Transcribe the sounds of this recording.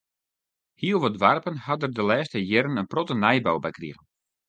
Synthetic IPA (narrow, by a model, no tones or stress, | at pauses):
hiəlˠʋɔdʋarpənhɑdərdəlɛːstəjɛɾənənprɔtənɛjbowbɛjkrḭɣən